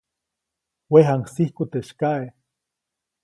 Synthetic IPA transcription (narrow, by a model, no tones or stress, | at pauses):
weɦaŋsihkut̪eʃkae